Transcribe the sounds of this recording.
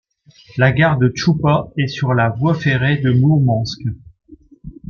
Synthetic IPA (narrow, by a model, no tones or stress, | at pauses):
laɡaʁd̪ət͡ʃupaɛsyʁlavwafeʁed̪əmumɑ̃sk